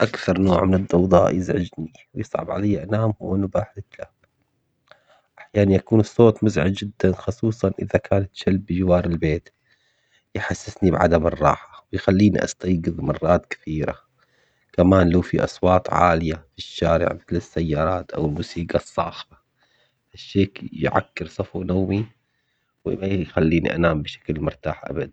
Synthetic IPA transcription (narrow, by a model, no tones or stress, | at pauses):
ʔakθɑɾˤnoːʕmɪnɪd̪ˤːɑwd̪ˤɑ̰ːʔjɪzʕɪd͡ʒni | wjɨsˤʕɑ̰bʕa̰lajːaʔanaːmhʊwːanʊbaħɪt̪la | ʔaħjaːnanjakuːnɨsˤːoːt̪ˤmʊzʕad̪d͡ʒɪd̪ːanxʊsˤuːsˤɑnʔɪðakʰaːnat̪ʃalbːd͡ʒwɑːɾˤɪlbeːt̪ | jħasːɪsnibʕa̰d̪amɨrˤːɑ̰ːħḁwɪjxalːiːnḭʔɑ̰st̪ɑjɡɨðmɑrˤːɑːt̪kɪ̥θiːɾa̰ | kamaːnlaːfiʔɑ̰sˤwɑːt̪ˤʕa̰ːlɪjafiʃːaːɾɪ̰ʕmɪθlɪsːajːɑːɾˤɑːt̪ʔa̰wɪlmuːsiːɡɑsˤːɑ̰ːxba | haʃːeːkjʕa̰kːɪɾsˤɑfunawmi | wɪmajjxalːiːnḭʔa̰naːmbɪʃḁklmʊɾt̪a̰ːħʔa̰bad̪an